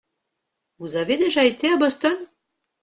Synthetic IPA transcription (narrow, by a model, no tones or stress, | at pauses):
uzɑβed̪eʒɑjt̪ʲːeɑbɤ̆st̪ɤn